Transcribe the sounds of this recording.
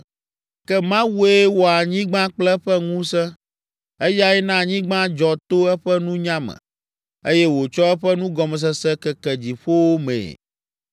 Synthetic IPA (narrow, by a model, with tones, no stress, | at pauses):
kɛ˦mã˦wu˦e˦wo˨a˨ɲĩ˦ɡ͡bã˦k͡plɛ˦ɸɛ˦ŋũ˦sɛ˦ | e˦ja˦ɛ˦nã˦˨ɲĩ˦ɡ͡bã˦d͡ʒɔ˨t̪o˦ɛ˦ɸɛ˦nũ˦ɲã˦mɛ̰̃˨ | e˦jɛ˦wo˨t͡ʃɔ˦ɛ˦ɸɛ˦nũ˦ɡɔ˨mɛ˨s̬ɛ˦sɛ˦kɛ˨kɛ˨d͡ʑi˨ɸo˦wo˦mḛ̃˨